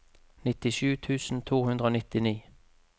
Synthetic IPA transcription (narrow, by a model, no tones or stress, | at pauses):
nɪt̪ɪʃʉːt̪ʰʉːsn̩t̪ʰuːhʉnd̪ʁəoːnɪt̪ɪniː